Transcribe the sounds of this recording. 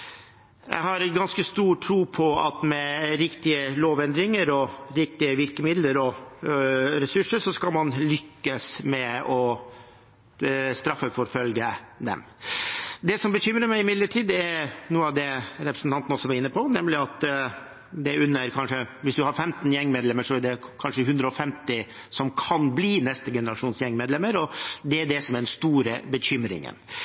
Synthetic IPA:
jʔæ̰ɪɦɑɾɡɑnskəst̪uːʈʰɾuːpʰɔɑ̰t̪mɛɾɪkt̪ɪəloːʋɛnd̪ɾɪŋəɾɔɾɪk̚t̪ɪəʋɪlkəmɪd̪ləɾɔ | ɾɛsʉʂəʂɔskɑlmɑnlʏkːəsmɛɔ | st̪ɾɑfːəfɔɾfœlɡəd̪ɛ̰m | d̪ɛsɔmbəçʏmɾəmæɪɪmɪd̪ləʈʰiːd̪ɛɾnuːəɑʋd̪ɛɾɛpɾəsn̩t̪ɑnt̪n̩ɔsɔʋɑɾɪnːəpʰɔnɛmlɪɑt̪ | d̪ɛʉnːəɾkʰɑnʂəʋɪsd̪ʉhɑɾfɛmt̪njɛŋːmeːd̪lɛmːəʂɔæɖɛkʰɑnʂəhʉnd̪ɾəɔfɛmt̪ɪ | sɔmkʰɑnbliːnɛst̪əɡɛnəɾɑʂuːnsjɛŋːmeːd̪lɛmːəɾɔd̪ɛæɖɛsɔmæd̪ɛnst̪uːɾəbəçʏmɾɪ̰ŋə̰n

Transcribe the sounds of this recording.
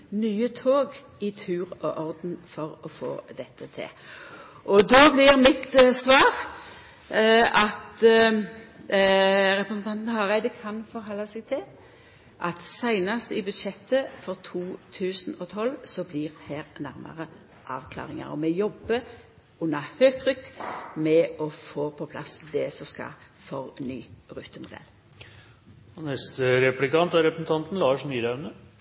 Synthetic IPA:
nyːət̪ʰoːɡ | ɪt̪ʰʉːʁɔʔɔʁd̪n̩fɔɾɔfo̰ːd̪ɛt̪ʰːət̪ʰɪ̰l | ʔɔd̪ɔblɪʁmɪt̪sʋɑːʁ | ɑt̪ | ɾɛpɾəsn̩t̪ɑnt̪n̩hɑʁæɪd̪əkʰɑnfɔɾɦɔlːɑsɛɡ̚t̪ʰɪl | ʔɑt̪sæɪnɑst̪ɪbʉd̪ʃɛt̪ːəfɔʁt̪ʰuːt̪ʰʉːsənɔt̪ʰɔlːsɔbliʁhæːʁnæʁmɑ̰ʁə | ʔɑ̰ːʋkʰlɑ̰ːʁɪŋɑ̰ʁɔ̰mɛjɔbːə | ʉnːɑhøːkt̪ʰʁʏkːmɛɔfoːpʰɔpʰlɑsd̪ɛsɔskɑ̰ | fɔʁnyːɾʉːt̪əmʊd̪ɛ̰lː | ɔnɛst̪əɾɛplɪkɑnt̪æɾɛpɾəsn̩t̪ʰɑnt̪n̩lɑːʂmyːɾɑʉnə

